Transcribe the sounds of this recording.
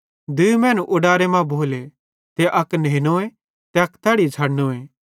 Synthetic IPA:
d̪ʊmɛ̃ːnũʔʊɽaːɾemãbʱoːle | t̪eʔɐkneːnoːẽ | t̪eɐkt̪ʰɛːɽit͡ʃʰaːɽnoːẽː

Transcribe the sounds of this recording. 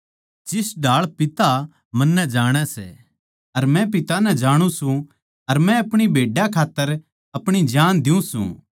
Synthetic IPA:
d͡ʒɪsɖʱaːɭpɪt̪a | mɐ̃nːɛ̃d͡ʒaːɽ̃ɛsɛ̰ | ɐɾmɛ̃pɪt̪anɛ̃d͡ʒaːɽ̃ũsũ | ɐɾmɛ̃ɐpɽ̃ibʱeːɖjakʰaːt̪ːəɾ | ɐpɽ̃id͡ʒaːnd̪ɪũsṵ̃ː

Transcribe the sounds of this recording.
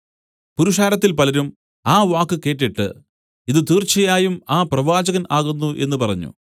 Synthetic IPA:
puɾuʂaːɾɐt̪ːilpɐlɐɾum | aːʋaːkːɨke̞ːʈːiʈːɨ̰ | iðɨt̪iːrt͡ɕɐjaːjumaːprɐʋaːd͡ʑɐɣɐnaːɣunːuʔe̞̰nːupɐrɐ̰ɲːṵ

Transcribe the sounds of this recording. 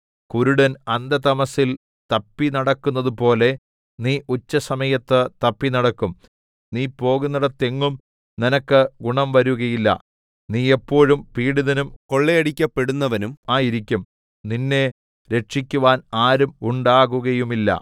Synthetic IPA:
kuɾuɽɐnɐnd̪ɐt̪ɐmɐsil | t̪ɐpːinɐɽɐkːunːɐðupo̞ːle̞ | niːʔut͡ɕːɐsɐmɐjɐt̪ːɨt̪ɐpːinɐɽɐkːum | niːpo̞ːɣunːɐɽet̪eŋːum | ninɐkːɨɡuɳɐmʋɐɾuɣɐjilːɐ̰ | niːepːo̞ːɻumpiːɽiðɐnumko̞ɭːeɐɽikʲːɐpːe̞ɽunːɐʋɐnumaːjiɾikʲːum | ninːe̞ | ɾe̞ʈʂikʲːuʋaːnaːɾumuɳɖaːɣuɣɐjumilːɐ̰

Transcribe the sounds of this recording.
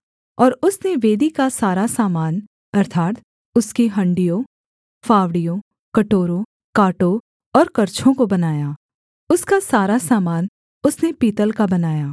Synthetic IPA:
ɔːɾʊsneʋeːd̪ikasaːɾasaːmaːn | ɐɾt̪ʰaːt̪ | ʊskiɦɐ̃ɳɖijõ | faːʋɽijõ | kɐʈoːɾõ | kaːʈo | ɔːɾkɐɾt͡ʃʰõkobɐnaːjaː | ʊskasaːɾasaːmaːn | ʊsnepiːt̪əlkabɐnaːjaː

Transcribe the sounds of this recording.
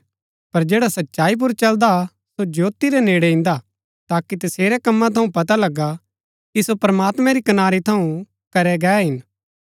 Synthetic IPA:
pɐɾd͡ʒeːɽasɐtːʃaːip̬ʊɾt͡ʃɐld̪a | sod͡ʒoːt̪iɾɛneːɽɛɪ̃nd̪a | t̪aːkit̪ɐseːɾɛkɐmːãt̪ʰɐũpɐt̪alɐɡa | kisopɾɐmaːt̪mɛ̃ɾikɐnaːɾit̪ʰɐũ | kɐɾɛɡɛːɦɪn

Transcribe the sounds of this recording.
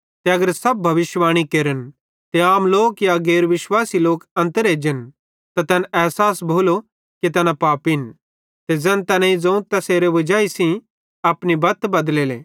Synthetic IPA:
t̪eɐɡəɾsɐb̚ːʱɐʋɪʃʋaːɽ̃ikeːɾən | t̪eaːmloːkjaɡeːɾʋɪʃwaːsiloːkɐ̃nt̪əɾeːd͡ʒen | t̪at̪ɛnɛːɦsaːsbʱoːlo | kit̪ɐnapaːpin | t̪ed͡zɛ̃nt̪ɛnãid͡zɐ̃ũt̪ɐseːɾeʋɐd͡ʒaːisĩ | ɐpnibɐt̪bɐd̪leːleː

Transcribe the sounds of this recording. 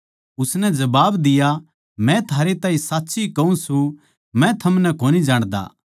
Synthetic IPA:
ʊsnɛd͡ʒɐbaːbd̪ɪja | mɛ̃t̪ʰaːɾet̪ãːĩsaːtːsikɐũsũ | mɛ̃t̪ʰɐmnɛkoːnid͡ʒaːɽ̃d̪a̰ː

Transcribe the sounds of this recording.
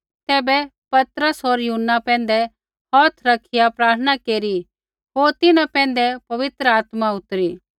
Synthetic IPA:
t̪ɛːbɛ | pɐt̪ɾəsɦoːɾjʊɦənːapɛ̃ːn̆d̪ɛ | hɔːt̪ʰɾɐkʰɪjapɾaːɾtʰəɽ̃ñakeːɾi | ɦoːɾt̪ɪnãpɛ̃ːn̆d̪ɛpɐʋɪt̪ɾəaːt̪maʊt̪ɾiː

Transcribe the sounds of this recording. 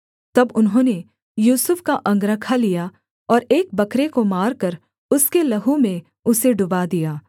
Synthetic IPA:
t̪ɐbʊnɦõːne | juːsʊfkaʔɐ̃ŋɡɾəkʰalija | ɔːɾeːk̚bɐkɾekomaːɾkɐɾ | ʊskelɐɦõmẽ | ʊseɖʊbad̪ijaː

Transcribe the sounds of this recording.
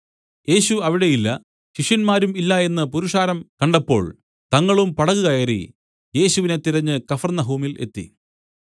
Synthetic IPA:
je̞ːɕuɐʋiɽe̞jilːɐ | ɕiʂjɐnmaːɾumilːɐe̞nːɨpuɾuʂaːɾɐmkɐɳɖɐpːo̞ːɭ | t̪ɐŋːɐɭumpɐɽɐɣuɣɐjerḭ | je̞ːɕuʋine̞t̪iɾɐɲːɨkɐfɐrnɐɦuːmile̞̰t̪ːḭ

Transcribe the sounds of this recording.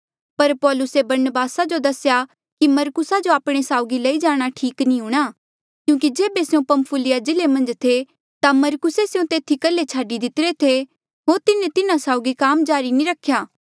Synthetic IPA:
pɐɾpɔːlʊsebɐɾnəbaːsad͡ʒod̪ɐsja | kimɐɾkʊsad͡ʒoaːpɽ̃esaːʊɡilɐid͡ʒaːɽ̃aʈʰiːknĩɦũːɽ̃a | kjũːkid͡ʒeːbeseũpɐmpʰʊlɪjad͡ʒɪlemɐ̃nd͡ʒt̪ʰe | t̪amɐɾkʊseseũt̪eːt̪ʰikɐlːet͡ʃʰaːɖid̪ɪt̪ɪɾet̪ʰe | ɦoːɾt̪ɪnẽt̪ɪnãsaːʊɡikaːmd͡ʒaːɾinĩɾɐkʰːjaː

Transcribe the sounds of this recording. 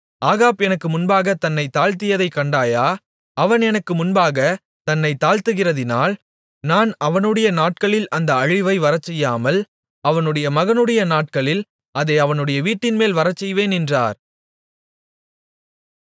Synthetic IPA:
ʔaːɣaːpɛnɐkːɯmʊnbaːɣɐt̪ɐnːɐɪt̪aːɻt̪ɪjɐðɐɪkːɐɳɖaːjaː | ɐʋɐnɛnɐkːɯmʊnbaːɣɐ | t̪ɐnːɐɪt̪aːɻt̪ɯɣɪrɐðɪnaːl | naːnɐʋɐnɯɽɐjɐnaːʈ̚kɐɭɪlɐnd̪ɐɐɻɪʋɐɪʋɐɾɐt͡ʃːɛjːaːmɐl | ɐʋɐnɯɽɐjɐmɐɣɐnɯɽɐjɐnaːʈ̚kɐɭɪl | ʔɐðɐɐʋɐnɯɽɐjɐʋiːʈːɪnmeːlʋɐɾɐt͡ʃːɛjʋeːnɛndra̰ːɾ

